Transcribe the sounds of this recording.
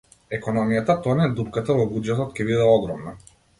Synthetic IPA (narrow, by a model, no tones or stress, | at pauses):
ɛkɔnɔmijat̪at̪ɔanɛd̪upkat̪avɔbud͡ʒɛt̪ɔt̪cʲɛbid̪ɛɔɡɾɔmna